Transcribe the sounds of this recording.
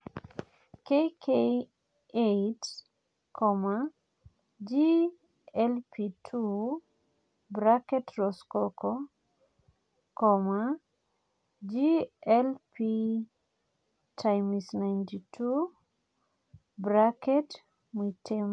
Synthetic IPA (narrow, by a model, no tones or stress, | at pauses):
kejkʰe | ejt | kʰɔma | d͡ʒi | ɛlpʰitʰu | bɾakɛtɾɔskɔkɔ | kɔma | d͡ʒiɛlpi | tʰajmisnajntitʰu | bɾakɛt | mitʰem